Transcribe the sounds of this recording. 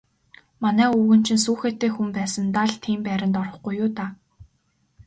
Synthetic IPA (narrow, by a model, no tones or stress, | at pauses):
manæːuwɣɘ̆nt͡ɕʰĭnsuːxeːt̪ːeːxumpæːsə̆nt̪aɮt̪ʰiːmpæːɾʲɪ̆nt̪ɔrɞ̆χɡujʊːt̪a